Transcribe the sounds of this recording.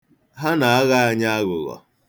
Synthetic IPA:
ɦa˦na˨a˦ɣa˦a˦˨ɲa˦a˦ɣʊ˨ɣɔ̰˨

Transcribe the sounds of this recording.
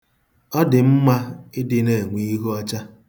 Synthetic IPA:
ɔ˦dɪ˨m̩˦ma˦ɪ˦dɪ˦ne˨ŋʷi˨˦i˦ɦɔ˦t͡ʃa˦

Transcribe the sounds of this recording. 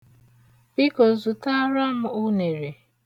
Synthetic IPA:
bi˦ko˨zu˨ta˦ɾa˦mʊ˦ʊ˦ne˨ɾe˨

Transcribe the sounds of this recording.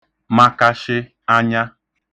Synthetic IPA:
ma˦ka˦ʃɪ˦ | a˦ɲa˦

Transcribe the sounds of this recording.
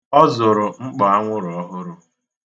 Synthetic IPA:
ɔ˦zʊ˨ɾʊ˨ŋ͡m̩˦k͡pa˨a˦ŋʷʊ˦ɾɔ˦ɦʊ˦ɾʊ˦

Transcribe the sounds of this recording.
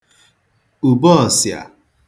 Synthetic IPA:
u˨bɔ˦ɔ˨sja̰˨

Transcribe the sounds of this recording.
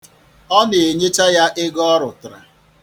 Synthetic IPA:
ɔ˦nɪ˨e˨ɲe˦t͡ʃa˦ja˦ʔɪ˦ɡɔ˦ɾʊ˨tɾa̰˨

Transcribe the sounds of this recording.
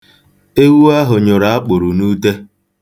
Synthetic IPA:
e˦wu˦a˦ɦʊ˨ɲʊ˨ɾa˨a˦k͡pʊ˨ɾu˨nuː˦de˦

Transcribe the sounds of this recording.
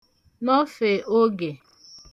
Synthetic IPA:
nɔ˦fe˨ʔo˦ɡe˨

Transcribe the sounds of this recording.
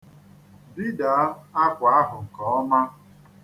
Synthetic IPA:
bi˦da˨˦a˦kʷa˦ɦʊ˨kɔ˨ɔ˦ma˦

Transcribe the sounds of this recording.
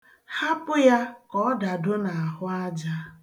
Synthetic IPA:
ha˦pʊ˦ja˦kɔ˦da˨dʊ˦na˨a˨ɦʊ˦a˦d͡ʒa˦

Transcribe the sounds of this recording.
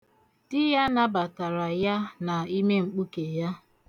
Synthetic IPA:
d̥ɪ˦ja˦na˦ba˨ta˨ɾa˨ja˦na˨i˦me˦ŋ͡m̩˨k͡pu˦ke˨ja˦

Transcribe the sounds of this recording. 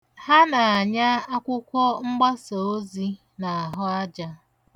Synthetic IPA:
ha˦na˨a˨ɲa˦a˦kʷʊ˦kʷɔ˦ŋ͡m̩˦ɡ͡ba˦so˨o˦zi˦ | na˨a˨ɦʊ˦a˦d͡ʒa˦

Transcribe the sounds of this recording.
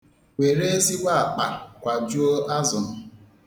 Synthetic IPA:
we˨ɾe˦e˦zi˦wa˦a˨k͡pa˨kʷa˨d͡ʒu˦o˦a˦zʊ˨n̩˦

